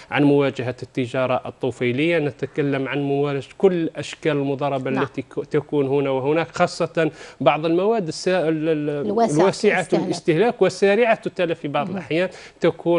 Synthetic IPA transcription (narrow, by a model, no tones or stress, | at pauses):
ʕa̰nmʊwæd͡ʒəɦat̪ːəʒɑɾˤɑʔət̪ˤːufijləjːanət̪akælːəmʕanmʊwæɾɑd͡ʒkʊlːʔæʃkæləlmʊd̪ˤɑrˤːɑbalːæt̪it̪ækunhʊnæwəhʊnækxɑsˤːɑt̪ɑnbɑʕd̪ˤəlmawæd̪ːəs | lwæsəʕaəlʔəst̪əhlækwəsːæɾəʕat̪t̪ːælæfibɑʕd̪ˤəlʔaħjænt̪ækuː